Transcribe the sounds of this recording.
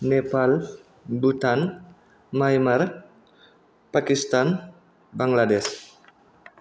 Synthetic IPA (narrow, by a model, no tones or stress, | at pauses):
nepal | but̪an | majmar | pakist̪an | baŋladɛs